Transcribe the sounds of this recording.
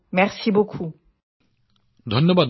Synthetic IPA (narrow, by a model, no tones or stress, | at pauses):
mɛʁsibokʰu | d̪ʱɔnːəbad̪